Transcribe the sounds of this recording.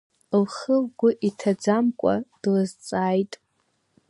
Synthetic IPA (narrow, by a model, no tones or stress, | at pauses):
lχəlɡʷʊʔitʰad͡zamkʷʼa̰d̥lazt͡sʼaːjtʼ